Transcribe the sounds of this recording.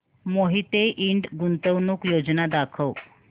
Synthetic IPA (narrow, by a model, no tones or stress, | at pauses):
moɦit̪eʔiɳɖɡunt̪əʋnuːkjod͡znad̪akʰəw